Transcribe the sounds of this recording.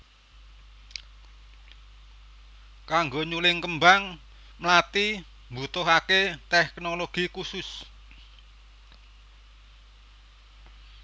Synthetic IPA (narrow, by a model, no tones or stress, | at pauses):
kaŋɡoɲulɪŋkəmbaŋ | mlat̪i | mbṳt̪ʊɦaket̪ɛknoloɡ̥ikusʊs